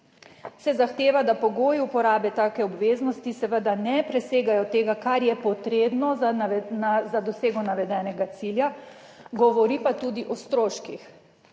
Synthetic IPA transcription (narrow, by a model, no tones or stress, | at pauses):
sɛzaxt̪eːʋad̪apɔɡoːjupɔɾaːbɛt̪aːkɛɔbʋeːznɔst̪isɛʋəd̪anɛpɾɛseːɡajɔt̪eːɡakaɾjɛpɔt̪ɾeːbnɔ | zad̪ɔseːɡɔnaʋɛd̪ɛnɛɡat̪silja | ɡɔʋɔɾiːpat̪uːd̪iʔɔst̪ɾoːʃkix